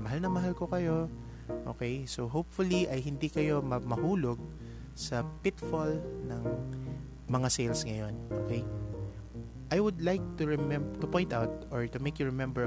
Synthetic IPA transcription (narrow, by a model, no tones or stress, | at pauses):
mɐɦalnɐŋmɐɦalko̞kɐjo̞ | ʔoːkejsoɦowpfʊliʔɐjɦɪnd̪ikɐjo̞mɐmɐhuːloɡ̚ | sɐpɪt̪folnɐŋ | mɐŋasejlsŋɐjo̞nʔo̰kej | ʔajwʊd̪lajk̚t̪ʊɹɪmɛmbt̪ʊpõjnt̪awt̪̚oɹt̪ʊmejkjʊɹɪmɛmbɛ